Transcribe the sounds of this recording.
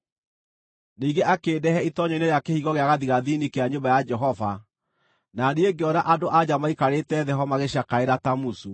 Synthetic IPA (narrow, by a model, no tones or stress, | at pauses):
niːɡeʔakeːdɛɦɛitɔɲɔineɾjakehiɣɔɣeaɣaðiɣaðinikeaɲombajad͡ʒɛɦɔva | naneeŋɡeɔnaʔadoʔad͡ʑamaikaɾetɛðɛɦɔmaɣeɕakaeɾatamusu